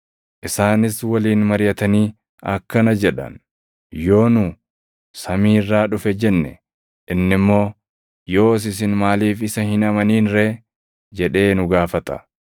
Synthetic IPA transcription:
ʔɪsaːnɪswɐliːnmɐɾɪjɐt̪ɐniː | ɐ̰kːɐnɐd͡ʒɛᶑɐ̰n | jo̞ːnʊ | sɐmiːrːaːᶑʊfɛd͡ʒɛnːɛ̰ | ʔɪnːɪmːo̞ː | jo̞ːs̬ɪs̬ɪnmaːliːfɪsɐhɪnɐmɐniːnɾe | d͡ʒɛᶑe̞ːnʊɡaːfɐt̪ɐ̥

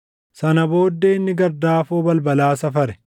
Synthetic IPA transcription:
sɐnɐbo̞ːd̪ːeːɪnːɪɡɐɾd̪aːfoːbɐlbɐlaːsɐfɐɾɛ̥

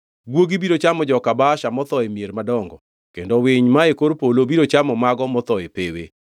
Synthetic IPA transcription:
ɡwoɡibiɾot͡ʃamɔd͡ʒɔkabaʃamɔt̪ɔemjeɾmadɔŋɡɔ | kendowɪɲmaekoɾpolobiɾot͡ʃamɔmaɡɔmɔt̪ɔepewḛ

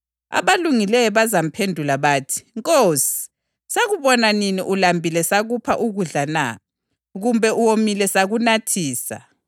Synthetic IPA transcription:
a̰βaluŋilɛjɔβazam̩pʰendʱulaβaːtʰi̥ŋkʼosi̥ | saɣuβɔnaninḭʔulambʱilɛsaɣupʰa̰ʔuɣuɮana̰ | ɣumbʱɛʔuwomilɛsaɣunatʰiːsa̰

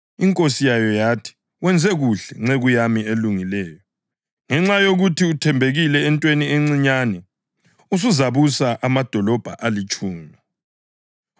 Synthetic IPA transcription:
iŋkʼosijajɔjatʰi̥ | wɛnd͡zʱɛɣuɬɛŋ͡ǁɛɣujamieluŋilɛːjɔ | ŋɛŋ͡ǁajoɣutʰiutʰɛmbʱeɣilɛːntʼwenieŋ͡ǀiɲanɛ | us̬uzaβusaʔamad̥ʱɔlɔb̥ʱa̰ʔalit͡ʃʼuːmɔ

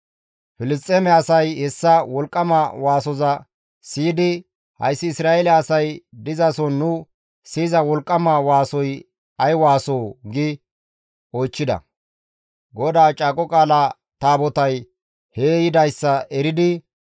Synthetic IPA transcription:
fɪlɪst̪ʼːeːmɛɐsɐjhɛsːɐwɔlkʼːɐmɐwaːsɔzɐ | siːd̪ɪ | hɐ̰jsːɪːsɾaːelɛɐsɐjd̪ɪzɐsɔnːʊ | siːzɐwɔlkʼːɐmɐwaːsɔj | ɐjwaːsoːɡɪ | ojt͡ʃːɪd̪ɐ̰ | ɡɔd̪aːt͡ʃʼaːkʼɔkʼaːla | t̪aːbɔt̪ɐj | heːjɪd̪ɐjsːɐɛɾɪd̪ɪ

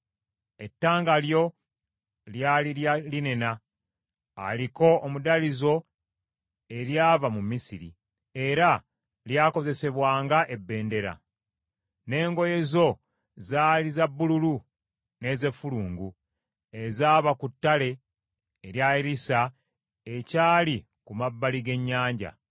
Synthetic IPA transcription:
e̞tːaːŋɡaljo̞ | ljaliline̞na̰ː | liko̞ːmudalizo̞ | e̞ɾjaːvamumisiɾḭ | e̞ɾa | ljaːko̞ze̞se̞βwaːŋɡaʔe̞bːe̞ːnde̞ɾa̰ | ne̞ːŋɡo̞je̞zo̞ | zaːlizabːululu | ne̞ːze̞fuluːŋɡu | e̞zaːβakutːale̞ː | ɾjaiɾisa | ecaːli | kumabːaliɡe̞ɲːaːɲɟa̰

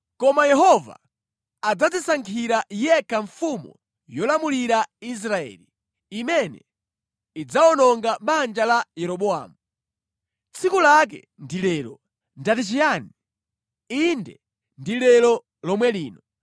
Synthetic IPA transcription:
kɔmajɛɦɔva̰ | ad͡zad͡zisaŋkʰiɾajɛkaɱfumṵ | jɔlamuliɾais̬ɾaɛ̰li | imɛnɛ̰ | id͡zaɔnɔŋɡaɓand͡ʒalajɛɾɔɓɔa̰ːmu | t͡sʰikulak̬ɛ̰ | ndilɛlɔ̰ | ndatit͡ʃijaːni | indɛ̰ | ndilɛlɔ | lɔmwɛliːnɔ

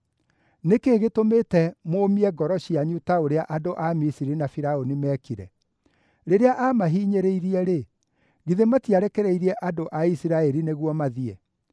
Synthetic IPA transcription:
nekeːɣetometɛmoːmiɛɡɔɾɔɕiaɲutaoɾeaʔadoʔamisiɾinafiɾaonimɛkiɾɛ̰ | ɾeɾeaʔamaɦiɲeɾeiɾiɛɾe | ɣiðematiaɾɛkɛɾɛiɾiɛʔadoʔaisiɾaɛɾineɣwɔmaðiɛ

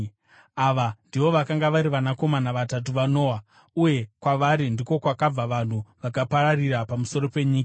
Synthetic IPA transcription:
aʋandiʋo̞ʋakaŋɡaʋaɾiʋanako̞manaʋatat̬uʋano̞ːwa | uje̞kwaʋaɾindiko̞kwakab͡vaʋan̤uʋakapaɾarirapamuso̞ɾo̞pe̞ɲiːka

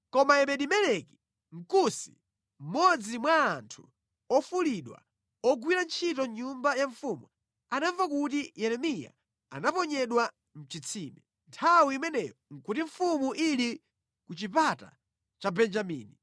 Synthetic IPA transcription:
kɔmaɛmɛɗimɛlɛki̥ | ŋ̩kusi | m̩mɔd͡zimwaːntʰu̥ | ɔfuliɗwa̰ | ɔɡwiɾant͡ʃʰitɔɲumbajaɱfumu | anaɱvakutijɛɾɛmija̰ | a̰napɔɲɛɗwa | m̩t͡ʃit͡sʰimɛ | ntʰawiimɛnɛjɔŋ̩kutiɱ̩fumuʔili | kut͡ʃipata̰ | t͡ʃabɛnd͡ʒamḭːni

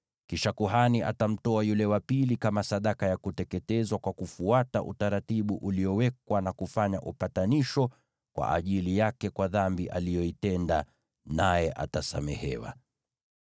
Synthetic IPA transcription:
kiʃakuɦaniʔa̰tam̩tɔajulɛwapilikamasaɗakajakutɛkɛtɛzwakwakufuataʔṵtaɾatiɓuʔuliɔwɛk̚wanakufaɲaʔupataniʃɔ | kwa̰ʔaʄilijakɛkwaðambiʔalijɔitɛnda | najɛʔa̰tasa̰mɛ̰hɛ̰wa̰

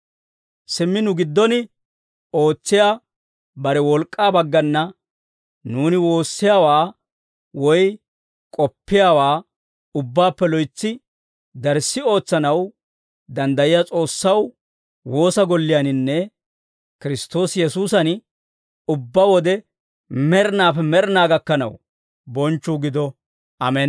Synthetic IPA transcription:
sɪmːɪnʊɡɪd̪ːɔnɪ | o̞ːt͡sːɪjaː | bɐɾɛwɔlkʼːaːbɐɡːɐnːɐ | nuːnɪwo̞ːsːɪjaːwaː | wɔj | kʼɔpːɪjaːwaː | ʊbːaːpːɛlɔjt͡sːɪ | d̪ɐɾsːɪo̞ːt͡sːɐnɐw | d̪ɐnd̪ɐjɪjaːt͡sʼo̞ːsːɐw | wo̞ːsɐɡɔlːɪjanɪnːɛ | kɪɾɪst̪o̞ːsjɛsuːsɐn | ʊbːawɔd̪ɛ | mɛɾnaːfɛmɛɾɪnaːɡɐkːɐnɐ̰w | bɔnt͡ʃːuːɡɪd̪ɔ | ʔɐmɛn

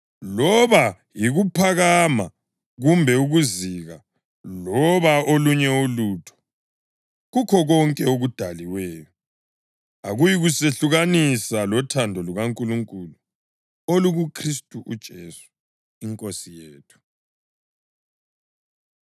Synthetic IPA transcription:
lɔβa | jiɣupʰaɣama | ɣumbʱɛuɣuziɣa | lɔβaoluɲɛulutʰɔ̥ | ɣukʰɔɣɔŋkʼɛoɣud̥ʱaliwɛːjɔ | aɣujiɣuseɬuɣanisalɔtʰandʱɔluɣaŋkʼuluŋkʼulu | oluɣukʰristʼuʔud̥ʒ̥ʱesu̥ | iŋkʼosijeːtʰu̥

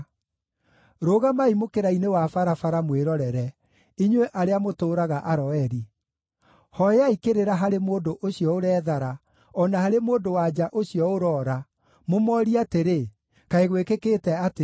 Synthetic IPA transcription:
ɾoːɣamaimokeɾainewafaɾafaɾamweɾɔɾɛɾɛ | iɲwɛʔaɾeamotoːɾaɣaʔaɾɔɛɾi | hɔjaikeɾeɾaɦaɾemoːndoʔoɕiɔoɾɛːðaɾa | ɔnahaɾemoːdowad͡ʒaʔoɕiɔoɾɔːɾa | momɔɾiateɾe | kaeɣwekekeːtɛate

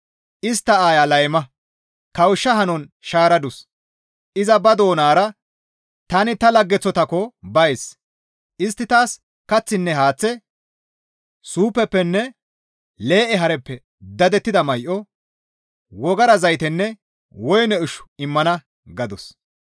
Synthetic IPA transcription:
ʔɪst̪ːɐaːjalɐjmɐ | kɐwʊʃːɐɦɐnɔnʃaːɾɐd̪ʊs | ʔɪzɐbɐd̪o̞ːnaːɾɐ | t̪ɐnɪt̪ɐlɐɡːɛt͡sːɔt̪ɐkɔbɐjs | ʔɪst̪ːɪt̪aːs | kɐt͡sːɪnːɛɦaːt͡sːɛ | suːpːɛpːɛnːɛ | le̞ːʔɛɦɐɾɛpːɛ | d̪ɐd̪ɛt̪ːɪd̪ɐmɐjʔɔ | wɔɡɐɾɐzɐjt̪ɛnːɛ | wɔjnɛʊʃʊ̥ɪmːɐnɐ | ɡɐd̪ɔs

